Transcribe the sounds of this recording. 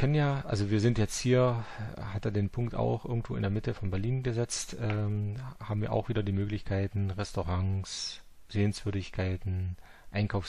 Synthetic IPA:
kʰɛnənjaːʔa̰lzoviːɐzɪntjɛt͡sthiːɐhataːɐdeːnpʰʊŋk̚ta̰ʊxʔɪ̰ɐɡŋ̩tv̥o̰ːɪndeːɐmɪtəfɔnbɛɐliːnɡəzɛt͡stʔɛːmhaːbm̩viːɐʔa̰ʊxv̥iːdɐdiːmøːklɪçkʰaɪtn̩ʁɛstoʁaŋs | z̥eːənsv̥ʏɐdɪçkʰaɪtn̩ | ʔaɪnkʰaʊf

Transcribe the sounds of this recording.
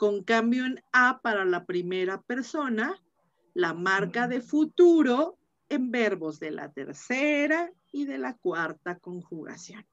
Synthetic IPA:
koŋkambjoenapaɾalapɾimeɾape̞ɾso̞na | lamaɾkaðefut̪uɾo | embeɾβozðelʔa̰t̪ḛɾseɾa | iðelakwaɾt̪akoŋxuɣa̰sjon

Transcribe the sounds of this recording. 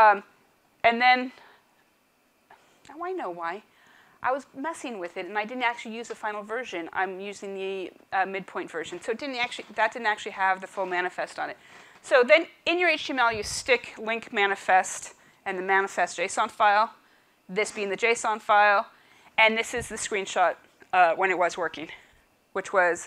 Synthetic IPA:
ɨ̃nðɨ̃n | naʊaɪnoʊwaɪ | ʔaɪwʌzmɛsɪ̃ŋwɪðɨɾɨ̃naɪdɪdⁿn̩tæk̚t͡ʃʉl̩ˠijʉzðɨfãɪ̃nl̩ˠvɜ˞ʒɨ̃nã̰ɪ̃mjʉzɪ̃ŋðɨʌmɪd̚pʰɔ̃ɪ̃tv̥ɜ˞ʒɨ̃nsoʊɨt̚d̥ɪdⁿn̩tæk̚t͡ʃʉl̩ˠiðɨt̚d̥ɪdⁿn̩tæk̚t͡ʃʉl̩ˠiəvðɨfʊlˠmæñɨfɛstn̩ɨt̚ | soʊðɨ̃nɨ̃njə˞eɪt͡ʃʰĩmɛlˠjɨstɪklɪ̃ŋkmæñɨfɛst | ɨ̃nðɨmænɨfɛsd̥ʒ̥eɪsɑ̃nfaɪlˠ | ðɪsb̥iɪ̃ŋðɨd͡ʒeɪsɑ̃nfaɪlˠ | ɨ̃nðɪsɨzðɨskɹ̥ĩnʃɑt̚ | ʌwə̃ñɨt̚wʌzwɜ˞kɪ̃ŋ | wɨt͡ʃwʌz̥

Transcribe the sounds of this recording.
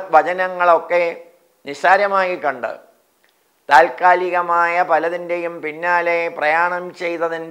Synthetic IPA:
ʋɐt͡ɕɐnɐŋːɐɭo̞kːe̞ | niɕaːɾjɐmaːɣikːɐɳɖɨ̰ | t̪aːlkaːliɣɐmaːjɐpɐlɐðinde̞jumpinːaːleprɐjaːɳɐmt͡ɕe̞jt̪ɐðin

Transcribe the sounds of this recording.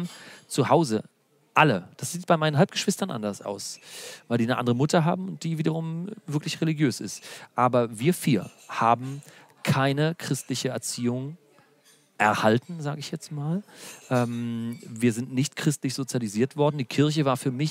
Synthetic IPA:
mt͡suhaʊzə | ʔaləd̥asz̥iːt̚b̥aɪmaɪnənɦalp̚ɡ̥əʃv̥ɪstɐnʔa̰ndɐsa̰ʊsvaɪldiːnəʔa̰ndəʁəmʊtɐɦa̰ːbm̩ʊnt̚d̥iːviːdɐʁʊmvɪɐklɪçʁeliɡjøːsɪstʔaːbɐviːɐfiːɐ | haːbm̩ | kʰaɪnəkʁ̥ɪstlɪçəɛɐt͡siːʊŋ | ʔɛɐhaltn̩zaːɡəɪçjɛt͡stmaːlʔɛːmviːɐzɪntnɪçtkʁ̥ɪstlɪçz̥ot͡sjaliziːɐtv̥ɔɐdn̩diːkʰɪɐç̬əvaːɐfyːɐmɪç

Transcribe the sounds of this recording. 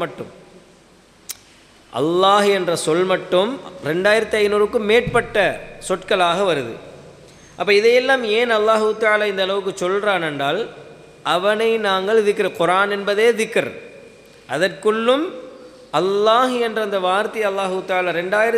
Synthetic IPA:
mɐʈːɯ̰m | ʔɐ̰lːaːɦɛndrɐsɔlmɐʈːɯmɾɛɳɖaːjɪɾɐt̪ːiɐɪnuːɾɯkːɯmːeːʈ̚pɐʈːɐsɔʈkɐɭaːɣɐʋɐɾɯðɯ̰ | ʔɐpːɐːɪðɐjɛlːaːmeːnɐlːaːɦɯɯt̪ːaːlaɪnd̪ɐlɐʋɯk̬ːɯt͡ʃːɔlraːnɛɳɖaːl | ʔɐʋɐnɐɪnaːŋɡɐɭʋɪkːɯɾɯqʊɾaːnɛnbɐðeːʋɪkːɐɾ̰ | ʔɐðɐrkɯɭːɯm | ʔɐlːaːɦɛndrɐɐnd̪ɐʋaːɾt̪ɐjɐlːaːɦɯɯt̪ːaːlaɾɛɳɖaːjɪɾɐ

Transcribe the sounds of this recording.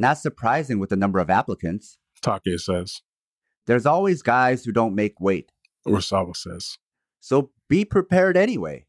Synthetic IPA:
nðætsə˞pʰɹ̥aɪzɪ̃ŋwəðɨnʌ̃mbə˞ʌvæpləkʰɨ̃nts | tʰɑkesɛz̥ | ðə˞zɔlˠwizɡaɪz̥hʉdõʊ̃nmeɪkweɪt̚ | ɹəsɑvəsɛz̥ | soʊ | b̥ipʰɹ̥ɨpʰɛɹɾɛñiwḛɪ

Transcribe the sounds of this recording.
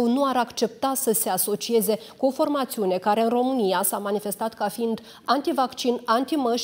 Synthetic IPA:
nuaɾakt͡ʃe̞p̚t̪asəse̞aso̞t͡ʃie̞ze̞kuo̞fo̞rmat̪siune̞kaɾe̞ɨnro̞mɨnijasamanife̞st̪at̪kafiind̪ | ant̪ivakt͡ʃinant̪iməʃ

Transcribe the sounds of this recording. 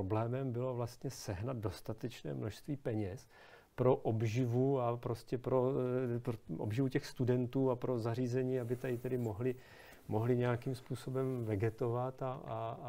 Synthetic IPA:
oblɛːmɛmbɪlo̞vlast̪ɲɛsɛɦnad̪̚do̞st̪at̪ɛt͡ʃnɛ̰ːmno̞ʃst̪viːpɛɲɛs | pɾo̞ʔobʒɪvuapɾo̞scɛpɾo̞poʔo̰bʒɪvucɛxst̪udɛnt̪uːapɾozariːzɛɲiːabɪt̪adɪt̪ɛdɪmoɦlɪ | mo̞ɦlɪɲɛjakimspuːso̞bɛmvɛɡɛt̪o̞vat̪aa

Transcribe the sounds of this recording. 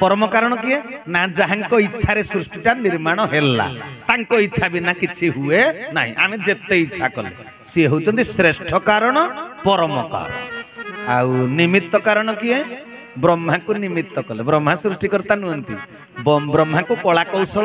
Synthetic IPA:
pɔɾɔmɔkaɾɔɽ̃ɔkiɦenaɦãd͡ʒaɦaŋkɔitːʃʰaɾesɾusʈiʈaniɾmaɽ̃ɔɦela̰t̪aŋkɔit͡ʃʰabinakit͡ʃʰiɦuena̰ɦḭ̃ʔa̰med͡ʒet̪eitːt͡ʃʰakɔlḛ | siɦowt͡ʃʰɔnt̪isɾesʈʰɔkaɾɔɽ̃ɔpɔɾɔmɔka̰ɾ̰ | awnimit̪ːɔkaɾɔɽ̃ɔkie | bɾɔmɦakunimit̪ːɔkɔlebɾɔm̤asɾusʈikɔɾt̪anuɦɔnt̪ḭ | bɔbɾɔmɦakukɔɭakɔwsɔɭ

